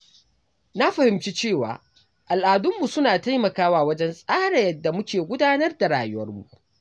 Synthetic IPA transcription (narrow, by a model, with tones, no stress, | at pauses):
na˦ɸɐ˨hɪ˨mt͡ʃiː˦t͡ʃeː˦˨waː˨ | ʔa˨lʔaː˨dʊ˦mːu˨sʊ˦naː˨ta˦jmɐ˨kaː˦waː˦˨wɐ˦d͡ʒɛ˦nsʼaː˦ɽɛ˨jɐ˦dːa˨mʊ˦kʲeː˨ɡʷʊ˦daː˦nɐ˦rda˨ɽa̰ː˨jʊ˦wɐ̰˦rmṵ˦˨ʔ